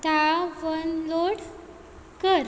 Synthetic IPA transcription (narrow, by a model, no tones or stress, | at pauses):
t̪aʋənloɽ | kəɾ